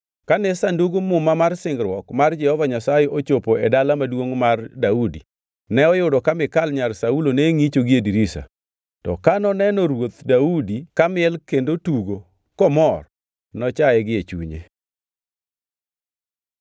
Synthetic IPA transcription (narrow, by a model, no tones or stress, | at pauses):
kanɛsanduɡumʊmamarsɪŋɡɾwɔkmard͡ʒɛhɔvaɲasajɛʔot͡ʃopoedalamadwoŋmardaudḭ | nɛɔjʊdɔkamɪkalɲalsauloneŋit͡ʃoɡiediɾisa̰ | tɔ̰kanɔnɛnɔɾwot̪daudikamɪɛlkendotuɡo | kɔmɔr | nɔt͡ʃaɛɡɪet͡ʃṵɲḛ